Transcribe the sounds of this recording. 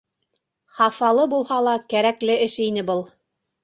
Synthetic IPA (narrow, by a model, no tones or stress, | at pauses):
χɑfɑlˠɤbulˠhɑlˠɑkæɾæklɘɘʃinɘbɤlˠ